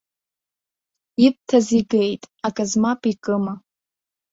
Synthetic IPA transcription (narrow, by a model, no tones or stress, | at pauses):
ip̚tʰaziɡe̞jtʼakʼazmapʼikʼɨma